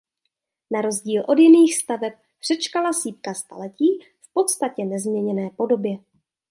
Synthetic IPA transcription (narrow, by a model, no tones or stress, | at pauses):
naɾo̞zɟiːlʔo̞djɪniːxst̪avɛp̚ | pr̥ɛt͡ʃkalasiːp̚kast̪a̰lɛciː | fpo̞t̪st̪acɛnɛzmɲɛɲɛnɛːpo̞do̞bjɛ